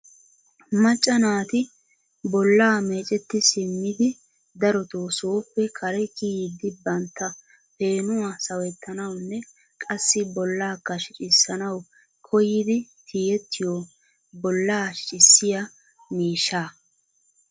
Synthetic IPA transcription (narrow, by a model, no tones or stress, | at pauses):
mɐt͡ʃʼːɐnaːt̪ɪ | bɔlːaːme̞ːt͡ʃʼɛt̪ːɪsɪmːɪd̪ɪ | d̪ɐɾɔt̪oːsoɔpːɛkʰɐɾɛkijɪd̪ɪbɐnt̪ːɐ | pe̞ːnʊwasɐwɛt̪ʰːɐnɐwnːɛ | kʼɐsːɪbɔlːaːkːɐʃɪt͡ʃʼɪsːɐnɐw | kʰɔjɪd̪ɪt̪ʰiːjɛt̪ːɪjo | bɔlːaːʃɪsːɪjɐ | miːʃːaː